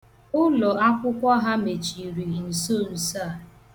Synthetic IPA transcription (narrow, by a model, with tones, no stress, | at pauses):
ʊ˦lɔ˨a˦kʷʊ˦kʷɔ˦ɦa˦me˨t͡ʃi˨ɾi˨n̩˨so˦˨n̩˨sa˦˨